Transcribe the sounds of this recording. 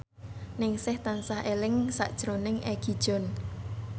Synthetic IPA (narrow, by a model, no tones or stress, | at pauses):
nɪŋsɪht̪ansaɦʔelɪŋsa̰ʔd̥ʒ̥ɾonɪŋʔeɡ̥i̤d̥ʒ̥ɔ̤n